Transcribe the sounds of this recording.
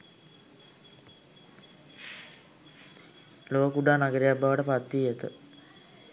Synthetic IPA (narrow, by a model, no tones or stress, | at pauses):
loːkuɖaːnaɡəɾejabːaʋəʈəpat̪ːijet̪ə̰